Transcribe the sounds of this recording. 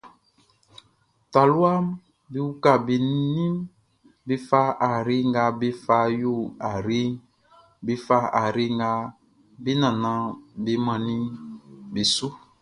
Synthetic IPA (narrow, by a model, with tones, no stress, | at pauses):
ta˨lu˦a˦m | be˨˦wu˦ka˨be˨nĩ˦m | be˦fa˦a˨ɾi˦ŋɡa˧be˦fa˧˦jo˦˨a˨ɾe˦ŋ | be˦fa˦a˨ɾe˦ŋɡa˧˦ | be˦nã˨nã˨˦be˨˦mã˨nĩ˦be˨su˦